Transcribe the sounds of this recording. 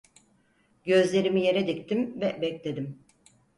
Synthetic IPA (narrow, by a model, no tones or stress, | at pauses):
ɟø̞zlʲe̞ɾimije̞ɾɛd̪ict̪ʰimvɛbɛclʲed̪im